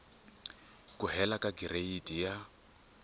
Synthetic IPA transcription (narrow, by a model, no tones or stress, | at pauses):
kʼuɦɛlakʼaɡirʔeitʼija